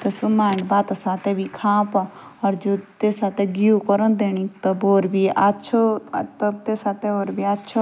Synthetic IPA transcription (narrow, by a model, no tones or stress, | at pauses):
t̪ɐsumaːɳbat̪asaːt̪eʋikʰãːpɔɔɾd͡ʒot̪esaːt̪eɡiukɔɾɔnd̪eːñĩkt̪ɔboːɾbiatːt͡ʃʰot̪ɔt̪esaːt̪eoːɾbiat̪ːt͡ʃʰo